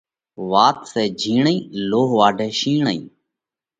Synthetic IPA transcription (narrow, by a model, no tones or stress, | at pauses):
ʋaːt̪seːd͡ʒʱiːɳĩːloːɦʋaːɖʱeːʃiːɳəḭː